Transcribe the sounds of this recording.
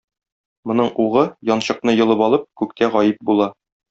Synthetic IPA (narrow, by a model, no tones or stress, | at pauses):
mŏnɤɴuʁɤjɒnɕɤ̆qn̪ɤjɤ̆lˠɤpɒlˠɤp̚kʉk̚t̪æʁɒjɘp̚bulˠɑ